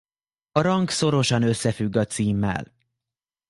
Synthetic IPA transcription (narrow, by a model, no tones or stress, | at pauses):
ɒɾɒŋkso̞ɾo̞ʃɒnø̞sːɛfyɡːɒt̪siːmːɛ̰l